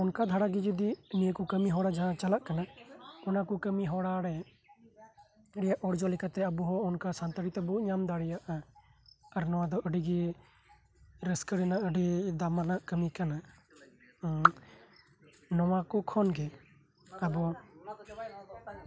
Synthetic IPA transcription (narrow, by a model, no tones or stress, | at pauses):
ɔnkad̪ʱaɽaɡid͡ʒud̪iniəkukəmiɦɔɽad͡ʒaɦãt͡ʃalaʔkanaɔnakukəmiɦɔɽaɽɛ | əɽijaʔɔɽd͡ʒɔlɛkʰat̪ɛəbuɦɔɔnkasant̪əɽit̪ɛbɔːt̪̚ɲamd̪aɽɛjaʔa | aɾnɔwad̪ɔʔəɖiɡɛ | ɾəskəɽɛnaʔəɖid̪amanaʔkəmikana | nɔwakɔkʰɔnɡɛ | abɔ